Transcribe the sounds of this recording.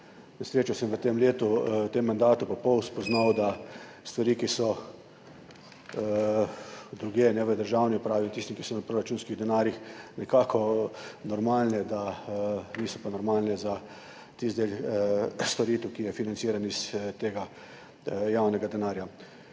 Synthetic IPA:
nasɾeːt͡ʃawsɛmʋət̪emleːt̪ut̪emːand̪aːt̪upɔpɔwspɔznawd̪a | st̪ʋaɾiːkisɔ | d̪ɾuɡjeːnɛʋəd̪əɾʒaːwniɔpɾaːʋit̪ist̪ikisɔnapɾoɾat͡ʃuːnskiɣd̪ɛnaːɾjixnɛkaːkʰɔnɔɾmaːlnɛd̪a | niːsɔpanɔɾmaːlnɛza | t̪izd̪el | st̪ɔɾiːt̪wkijɛfinant̪siːɾanist̪eːɡa | jawnɛɡad̪ɛnaːɾja

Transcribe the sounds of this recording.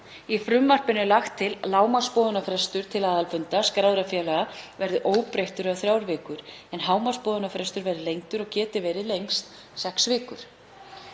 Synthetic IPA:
ifɾʏmːar̥pɪnʏlaxt̪ʰːɪllaːwmḁspɔːðʏnafɾɛst̪ʏɾ̥t̪ʰɪlaːðalfʏnt̪askɾaːwðɾafjɛːlaɣavɛɾðʏʔoːwpɾejht̪ʏɾawθɾjaːwɾvɪːkʏɾ̥ɛnɦaːwmḁspɔːðʏnafɾɛst̪ʏɾvɛɾðɪlejŋt̪ʏɾɔɣcɛːt̪ɪvɛːɾɪlejŋst̪ | sɛksvɪːkʏɾ̥

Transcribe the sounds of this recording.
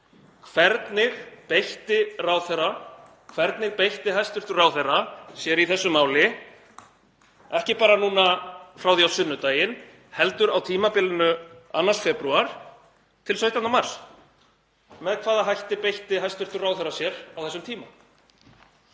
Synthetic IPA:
kʰvɛɾt̪nɪɣpejht̪ɪrawθɛrːa | kʰvɛɾt̪nɪɣpejht̪ɪɦajst̪ʏr̥t̪ʏraːwθɛrasjɛɾiθɛsːʏmaːwlɪ | ɛhcɪpaːɾanuːnafɾawðiawsʏnːʏt̪aːjɪn | hɛlt̪ʏɾawt̪ʰiːmapɪlɪnʏa̰nːasfɛpɾuaɾ̥ | t̪ʰɪlsœɥht̪annamaɾ̥s | mɛðkʰv̥aːðaɦajht̪ɪpejht̪ɪɦajst̪ʏɾt̪ʏraːwθɛrasjɛɾawθɛsːʏmt̪ʰiːma

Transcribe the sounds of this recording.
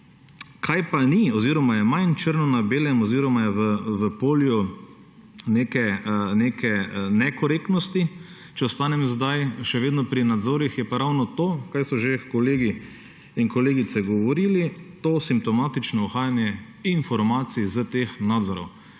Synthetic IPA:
kʰajpaniɔziːɾɔmajɛmajnt͡ʃəɾnɔnabeːljɛmɔziːɾɔmajɛʋəʋəpoːlju | neːkɛneːkɛnɛkɔɾeːkt̪nɔst̪i | t͡ʃɛɔst̪aːnɛmzd̪ajʃɛʋeːd̪nɔpɾinad̪zoːɾixjɛpaɾawnɔt̪oːkajsɔʒekɔleːɡi | inkɔleːɡit̪sɛɡɔʋɔɾilit̪oːsimp̚t̪ɔmaːt̪it͡ʃnɔɔxaːjanjɛ | infɔɾmaːt̪sizət̪eːxnaːd̪zɔɾɔ̰w

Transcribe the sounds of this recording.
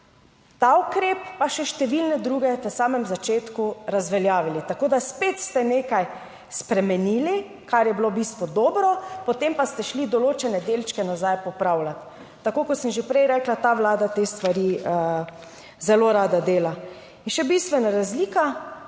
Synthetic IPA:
t̪aukɾeːpːaʃɛʃt̪ɛʋilnɛd̪ɾuːɡɛt̪ɛsaːmɛmzat͡ʃeːt̪kuɾazʋɛljaːʋilit̪akoːd̪aspeːt̪st̪ɛneːkaj | spɾɛmɛniːli | kaɾjɛbilobist̪ʋɔd̪oːbɾɔpɔt̪empast̪ɛʃlid̪ɔloːt͡ʃɛnɛd̪eːlt͡ʃkɛnazajpɔpɾawlat̪ː | akoːkɔt̪səmʒepɾɛjɾɛklat̪aʋlaːd̪at̪est̪ʋaɾiə | zɛloɾaːd̪ad̪eːla | inʃɛbist̪ʋɛnaɾazliːka

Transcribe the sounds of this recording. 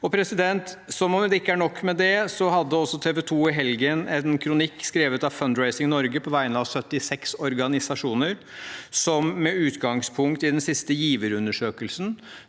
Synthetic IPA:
ɔpʰɾɛsɪd̪ɛnt̪sɔmɔmd̪ɛɪkːəæɳɔkːmɛd̪ɛsɔɦɑd̪ːəɔsːɔt̪ʰeːʋɛt̪ʰuːɪɦɛlɡənɛnkʰɾʊnɪkːskɾeːʋət̪ɑʋfœnd̪ɹæɪsɪŋnɔɾɡəpʰɔʋæɪənəɑʋsœt̪ːɪsɛksɔɾɡɑnɪsɑʂuːnəɾ | sɔmːɛʉːt̪ɡɑŋspʰʊŋkt̪ɪd̪ɛnsɪst̪əjiːʋəɾʉnːəʂøːkəlsn̩

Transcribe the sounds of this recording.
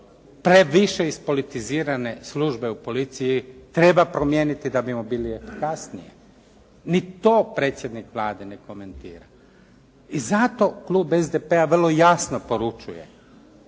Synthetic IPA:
pɾe̞ʋiʃeispo̞lit̪iziːɾane̞sluʒbe̞upo̞lit̪sijit̪ɾe̞bapɾo̞mje̞nit̪id̪abimobiːlie̞fi̥kasnijḛ | nit̪oːpɾe̞ːt̪sʲjed̪nikʋlˠaːd̪e̞ne̞ko̞me̞nt̪iːɾa | izat̪o̞klˠuːbezd̪epeaʋrlˠo̞jasnopo̞ɾut͡ʃuje̞̰

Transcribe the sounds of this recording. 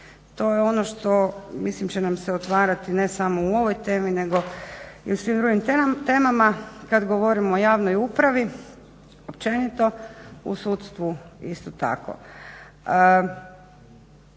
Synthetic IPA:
t̪o̞jeo̞noʃt̪o̞mislimt͡ʃenamseot̪ʋaːɾat̪ine̞samo̞uo̞ʋojt̪e̞ːmine̞ɡo̞iusʋimd̪ɾuɡimt̪e̞ːmamakad̪ɡoʋo̞ɾimojaːʋnojupɾaʋi | opt͡ʃe̞nit̪o̞ṵsut̪st̪ʋuist̪ot̪a̰ko̰

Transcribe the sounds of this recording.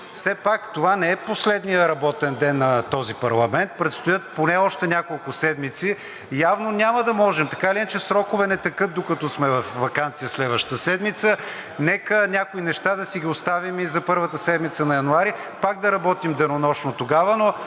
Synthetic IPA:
fsɛpakt̪ovanɛɛposlɛd̪nijəɾɐbɔt̪ɛnd̪ɛnːɐt̪ɔzipɐɾlˠɐmɛnt̪̚pɾɛt̪st̪ojət̪̚ponɛɔʃt̪ɛnʲakolˠkʊsɛd̪mit̪si | javnonʲaməd̪ɐmɔʒɛmt̪ɐkailiɛnt͡ʃɛsɾɔkʊvɛnɛt̪ɐkɤt̪̚d̪okɐt̪ɔsmɛvɐfvɐkant̪sijəslɛd̪vəʃt̪ə̥t̪əsɛd̪mit̪sə | nɛkənʲakʊinɛʃt̪ad̪ɐsiɡʲiost̪avimizɐpɤɾvət̪əsɛd̪mit̪sənɐjɐnuaɾi | paɡ̚d̪ɐɾɐbɔt̪imd̪ɛnonɔʃnot̪oɡavəno

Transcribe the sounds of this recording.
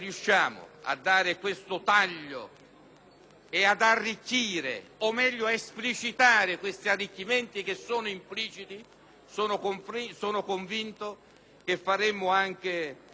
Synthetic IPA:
rijuʃːjaːmʊ̰a̰d̪ːaːɾɪkwest̪ʊt̪aʎːo̰ | ead̪arːikːiːɾɪ̰omːɛʎːʊaesplit͡ʃit̪aːɾɪkwest̪iarːikːimɛnt̪ik̟esːoːnʊimpliːt͡ʃit̪i | soːnʊkoɱfisoːnʊkoɱvint̪o | k̟efːaɾɛmːʊaŋk̟ɪ

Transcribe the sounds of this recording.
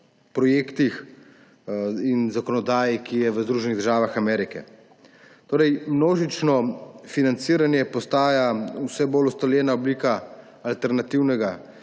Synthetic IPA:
pɾɔjeːkt̪ix | inzakɔnɔd̪aːjikijɛʋəzd̪ɾuːʒɛniɣd̪əɾʒaːʋaxamɛːɾikɛ̰ | t̪oːɾɛjmnoːʒit͡ʃnɔfinant̪siːɾanjɛpɔst̪aːjawsɛbolust̪ɔljɛːnaɔbliːkaː | lt̪ɛɾnat̪iwnɛɡa

